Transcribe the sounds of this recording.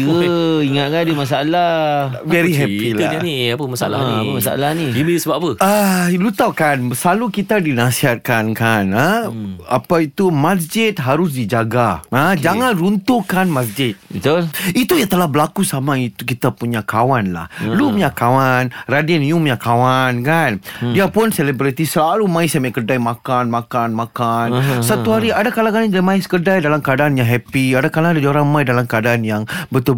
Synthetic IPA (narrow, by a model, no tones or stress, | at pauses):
əiŋat̪̚kandimasaala | vɛɾiɦɛpil̰aniapəmasaalaəmasaa̰lahnidimidusəbaapəalut̪awkanəsalukit̪adinasiɦat̪̚kankanəapait̪umas̬d͡ʒɪt̪̚ɦaɾʊs̬did͡ʒaɡaəd͡ʒaŋãnrunt̪ukanmasd͡ʒɪt̪̚bət̪ʊlit̪ujaŋt̪əlahbəlakusamait̪ukit̪apuɲakawanla̰hlumjakawanradiɛnjumjakawankandiapʊnsɛlibɾit̪isəlalumãɪsamakərdajmãkanmãkanmãkansat̪uɦaɾiadakalakanadamãɪskərdajdalamkadaanjãŋɦɛpiadakalaŋdadioɾaŋmajdalamkadaanjaŋbət̪u